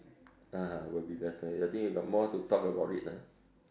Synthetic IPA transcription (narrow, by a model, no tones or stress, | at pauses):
aɦãwɛbilɛt̪əat̪̬ĩŋwiɡɔʔ̚mɔt̪ut̪ɔkəbawʔiʔla